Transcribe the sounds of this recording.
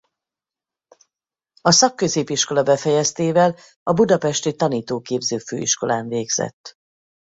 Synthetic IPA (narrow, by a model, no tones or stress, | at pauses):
ɒsɒkːø̞zeːpiʃko̞lɒbɛfɛjɛst̪eːvɛl | ɒbud̪ɒpɛʃt̪it̪ɒniːt̪oːkeːbzøːfø̰ːḭʃko̞laːɱveːɡz̥ɛ̰t̪ː